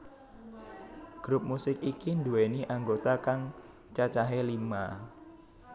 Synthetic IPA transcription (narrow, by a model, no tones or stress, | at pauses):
ɡ̥ɾʊp̚musɪkikind̪ueniʔaŋɡot̪akaŋ | t͡ʃat͡ʃaɦelima